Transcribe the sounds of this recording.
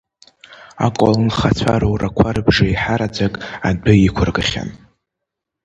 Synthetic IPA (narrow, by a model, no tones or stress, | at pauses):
a̰kʷʼalɨnχat͡sʷʰaɾowrakʷʰarɨbʐaiħaɾad͡zakʼadʊikʷʰʊrɡaχʲa̰n